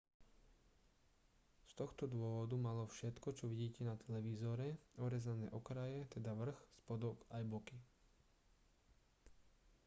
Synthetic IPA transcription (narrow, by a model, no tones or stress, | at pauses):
st̪ɔxt̪ɔd̪ʊɔʋɔd̪umalɔfʃɛt̪kɔt͡ʃɔʋiɟiːcɛnat̪ʰɛlɛʋizɔɾɛɔɾɛzanɛ̰ːʔɔkɾajɛt̪ɛd̪aʋr̩xspɔd̪ɔkajbɔki